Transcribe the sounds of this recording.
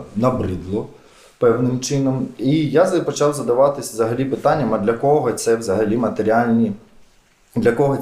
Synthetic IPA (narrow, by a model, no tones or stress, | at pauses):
nɐbɾɪd̪lˠɔ | pɛwnɪmt͡ʃɪnɔmijazpɔt͡ʃɑwzɐd̪ɐʋɑt̪ɪsʲzɐɦɐlʲipɪt̪ɑnʲːɐmɐd̪lʲɐkɔɦɔt̪sɛwzɐɦɐlʲimɐt̪eɾʲialʲnʲi | d̪lʲɐkɔɦɔ